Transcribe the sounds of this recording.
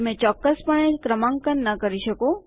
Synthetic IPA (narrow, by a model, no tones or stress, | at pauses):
mɛ̃t͡ʃɔːkːəspəɳekɾəmãŋkənːəkəɾiʃəko